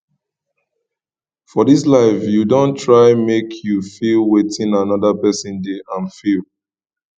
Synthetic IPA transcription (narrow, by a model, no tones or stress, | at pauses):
fɔðislaɪfjudõntʰɹaɪmekʰjufilˠwetĩnanɔdapɛsĩndeʔãnfilˠ